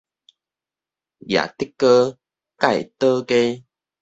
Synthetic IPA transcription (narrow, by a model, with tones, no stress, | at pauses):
ja̰˨t̪i˦˥kːə˦ | ka˥˨jt̪ə˦ke˦